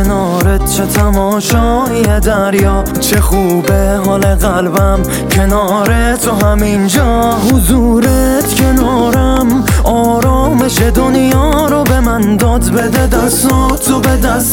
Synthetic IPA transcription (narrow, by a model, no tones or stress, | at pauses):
enɒːɾet̪̚t͡ʃʰet̪ʰæmɒːʃɒːhied̪æɾjɒːft̪t͡ʃʰe̞xuːbeɦɒːle̞ɣælbæm | cʰe̞nɒɾet̪ʰoɦæmind͡ʒɒːɦuzuːɾet̪cʲʰe̞nɒːɾæmɒːɾɒːme̞ʃed̪onjɒːɾobe̞mænd̪ɒːd̪bed̪ed̪æsot̪ʰobed̪æs